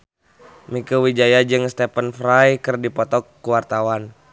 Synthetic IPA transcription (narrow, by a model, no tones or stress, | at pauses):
mikuwid͡ʒajad͡ʒɨŋst̪ɛpənfɾajkɨrdipɔt̪ɔkːuwart̪awan